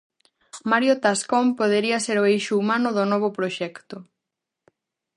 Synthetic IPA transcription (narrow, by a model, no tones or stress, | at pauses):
maɾjot̪askompoð̞eɾiɐseɾoejʃʊumanʊðʊnɔβ̞opɾoʃɛkt̪ʊ